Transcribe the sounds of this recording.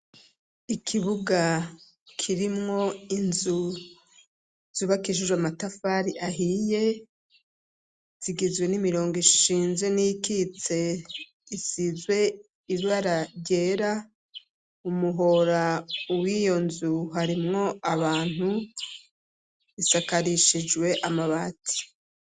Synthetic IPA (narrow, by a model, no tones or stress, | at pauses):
ikʰiβuɡa | kʰiɾimŋo̞inzu | z̥uβakiʃ̬uʒwamatafaɾiʔaɦije̞ | z̥iɡizɡwe̞nimiɾo̞ːŋɡiʃiːnzenijikit͡se̞ | isizwe̞ | iβaɾaɾje̞ːɾa | umuɦo̞ɾawijo̞nzuɦaɾimŋo̞aβaːn̥u | isakaɾiʃid͡ʒwe̞ʔamaβati̥